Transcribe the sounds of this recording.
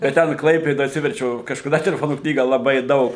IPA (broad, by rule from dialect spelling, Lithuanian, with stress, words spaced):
jɛʊ ˈtʲɛn ˈklˠɐɪpʲeːdoːj ɐtʲˈsʲɪʋʲɛrʲt͡ʃʲɛʊ kɐʃkɐˈdɐ tʲɛlʲɛˈfoːnuː ˈknʲiːɡɐ lˠɐˈbɐɪ ˈdɐʊk